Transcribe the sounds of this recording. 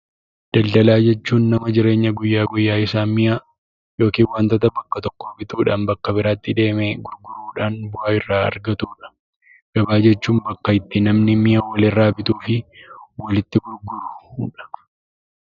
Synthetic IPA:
d̪̥ɐld̪ɐlaːd͡ʒɛt͡ʃːuːnːɐmɐd͡ʒɪɾe̞ːɲːɐɡʊjːaːɡʊjːaːɪsaːnmɪjaː | jo̞ːkiːnwaːnt̪ɐt̪ɐbɐkːɐt̪ɔkːoːbɪt̪uːᶑaːnbɐkːɐbɪɾaːt̪ːɪd̪e̞ːmeɡʊɾɡʊɾuːᶑaːnbʊhaːɪrːaːɐ̰ɾɡɐt̪uːᶑɐ̥ | ɡ̥ɐbaːd͡ʒɛt͡ʃːuːnbɐkːɐɪt̪ːɪnɐmnɪmɪjɐwɐlɪrːaːbɪt̪uːfɪwɐlɪt̪ːɪɡʊɾɡʊɾʊuᶑɐ̥

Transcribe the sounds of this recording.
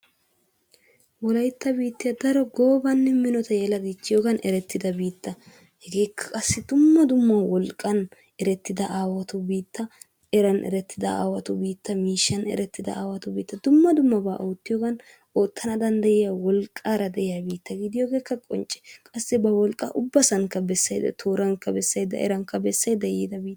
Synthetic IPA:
wɔlɐjt̪ːɐbiːt̪ːɪjɐd̪ɐɾɔɡo̞ːbɐnːɛmɪnɔt̪ɐjɛlɐd̪it͡ʃːɪjoːɡɐnʔɛɾɛt̪ːɪd̪ɐbiːt̪ʰːɐ | hɛɡe̞ːkʰːɐ̥kʼɐsːɪd̪ʊmːɐd̪ʊmːɐwɔlkʼːɐn | ɛɾɛt̪ːɪd̪ɐʔaːwɐt̪ʊbiːt̪ːɐ | ɛɾɐnʔɛ̰ɾɛt̪ːɪd̪ɐa̰ːwɐt̪ʊbiːt̪ːɐmiːʃːɐnɛ̰ɾɛt̪ːɪd̪ɐ̰aːwɐt̪ʊbḭːt̪ːɐd̪ʊmːɐd̪ʊmːɐba̰ːʔoːt̪ːɪjoɡɐn | o̞ːt̪ʰːɐnɐd̪ɐnd̪ɐjɪjawɔlkʼːaːɾɐd̪ɛʔɪjabiːt̪ːɐɡɪd̪ɪjoːɡe̞ːkːɐkʼɔ̰nt͡ʃʼːɛ̥kʼɐsːɪbɐwɔlkʼɐ̰ʔʊbːɐsɐŋkːɐbɛsːɐjd̪ɐ̰t̪ʰoːɾɐŋkːɐbɛsːɐjd̪ɐ̰ʔɛ̰ɾɐŋkːɐbɛsːɐjd̪ɐjḭd̪ɐbiːt̪ː

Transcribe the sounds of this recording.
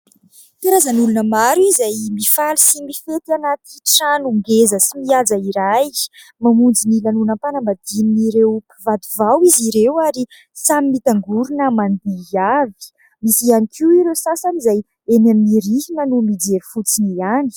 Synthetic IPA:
k̪aɾazənulunəmaɾuizajmifalisimifet̪anat̪iʈ͡ʂanuŋɡezəsimiad͡zaiɾaj | mamund͡zinilanunapanəmbad̪̥ininiɾewpivad̪uvawiziɾewaɾi | samimit̪aŋɡuɾunəmand̪iavi̥ | misianikʰiwiɾewsasanizaj | enaminiɾiɦinənumid͡zeɾifut͡siniani̥

